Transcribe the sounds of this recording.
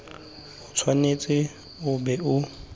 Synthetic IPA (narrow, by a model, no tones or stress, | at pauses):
ʊt͡sʰwanet͡sʼɪ | ʊbɛʊ